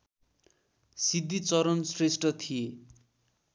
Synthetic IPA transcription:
sid̪ːit͡sʌɾʌnsresʈʌt̪ʰije

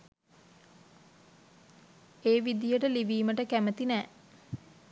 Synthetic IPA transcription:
eːʋid̪ijəʈəliʋiːməʈəkæmət̪inæː

